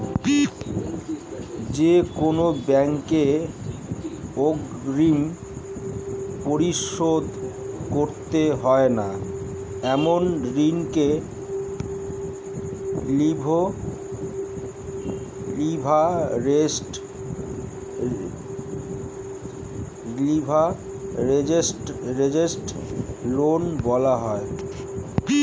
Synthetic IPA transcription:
d͡ʑekonobɛŋke | oɡɾim | poɾiʃod̪ | koɾt̪eɦɔena | ɛmonɾiŋke | libʱo | libʱaɾesʈ | libʱa | ɾeesʈɾed͡ʑesʈlonbɔlaɦɔe

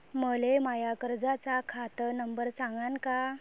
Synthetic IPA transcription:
məlemajakəɾd͡zat͡sakʰat̪ənəmbəɾsãŋɡanka

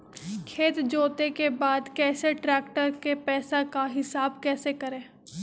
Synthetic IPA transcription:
kʰeːt̪d͡ʒoːt̪ekebaːd̪kɛːseʈɾɛːkʈəɾkepɛːsakaɦɪsaːbkɛːsekɐɾẽː

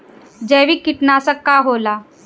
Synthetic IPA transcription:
d͡ʑɛʋikːiʈnasəkːaɦola

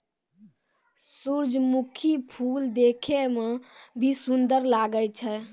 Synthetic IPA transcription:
suɾd͡ʒmukʰipʰuld̪ekʰemebʱisund̪əɾlaɡət͡ʃʰɛ

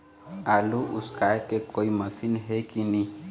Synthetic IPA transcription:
aluʔṵskajkekoiməsinɦekini

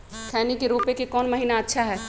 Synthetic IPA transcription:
kʰɛːnikeɾoːpekekɔːnmɐɦiːnaɐtːʃʰaɦɛː

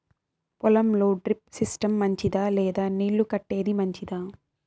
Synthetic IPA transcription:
pɔlɐmlo̞ːɖɾip̚sisʈɐmːɐɲt͡ʃid̪aːlɛːd̪aːniːɭːukɐʈːe̞ːd̪imɐɲt͡ʃid̪aː

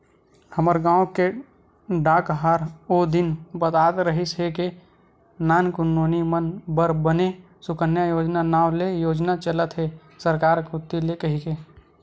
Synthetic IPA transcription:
həməɾɡãːõke | ɖaːkɦaːɾoːd̪ɪnbət̪aːt̪ɾəɦɪsɦeke | naːnkʊnːoːnimənbəɾbəne | sʊkənjajoːd͡ʒnanaːwlejoːd͡ʒnat͡ʃələt̪ɦɛ | səɾkaːɾkʊt̪ːilekɐɦikeː

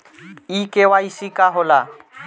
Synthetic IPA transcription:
ikʼɪwaisikʼaɦʊla

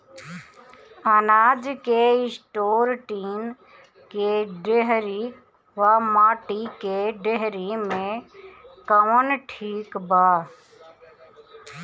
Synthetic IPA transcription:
ənaːd͡ʒkeɪsʈoːɾʈiːn | keɖeɦɾi | ʋaːmaːʈikeɖeɦɾimẽ | kəʋənʈʰiːkbaː

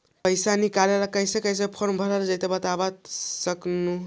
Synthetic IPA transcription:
pəjsanikaleɾakəjsekəjs̬ẽpʰoɾmbʱəɾeɾd͡ʒəjt̪ebət̪abat̪səknu

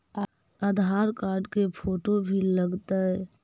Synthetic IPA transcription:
ad̪ʱaːɾkaːɾɖkepʰoːʈobʱiləɡt̪aɦɛ

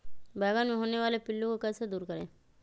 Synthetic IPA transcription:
bɛːɡanmẽɦoːneʋaːlepɪlːõkokɐsed̪uːɾkəɾḛ̃ː

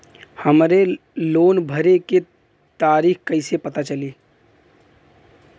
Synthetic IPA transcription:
hɐmɾe | loːnbʱəɾeke | t̪aːɾiːxkɐɪsepɐt̪at͡ʃɐliː

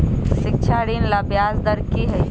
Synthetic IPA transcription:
ʃɪk̚t͡ʃʰaːɽiːnlaːbjaːzd̪ɐɾkiɦɐj

